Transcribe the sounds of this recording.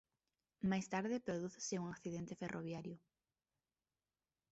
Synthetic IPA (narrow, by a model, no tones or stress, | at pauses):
majst̪aɾðɪpɾoðuθseuŋakθiðent̪eferʔoβjaɾjʊ